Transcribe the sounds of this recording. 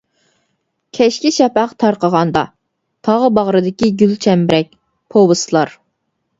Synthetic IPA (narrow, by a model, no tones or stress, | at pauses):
kʲʰɛʃkʲiʃɛpæqt̪ʰɑɾqəʁɑnd̪ɑ | t̪ʰɑʁəbɑʁɾɨd̪ɪkʲiɡʲylt͡ʃʰɛmbɾɛk̚ʲ | pʰobɨsɨlˠɑɾ